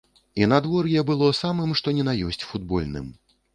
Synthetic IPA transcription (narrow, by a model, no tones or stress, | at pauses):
inad̪vɔɾjɛbɨlˠɔsamɨmʂt̪ɔnʲɛnajɔsʲt͡sʲfud̪bɔ̰lʲnɨ̰m